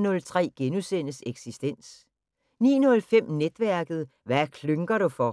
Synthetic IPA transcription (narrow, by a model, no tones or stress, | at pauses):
nɔ̽lt͡sʰʁɛ̰ːɡ̥enusen̰əseɡ̥sisd̥en̰s | nḭːnɔ̽lfem̰ned̥ʋæɐɡ̥ð̞̩ˠʋækʰløŋɡ̥ɐɾ̥ufɒ̽